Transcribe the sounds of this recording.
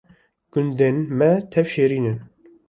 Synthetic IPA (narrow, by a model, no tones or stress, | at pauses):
ɡ̥ʊnd̪enmɛt̪ʰɛvʃeːɾiːnɨn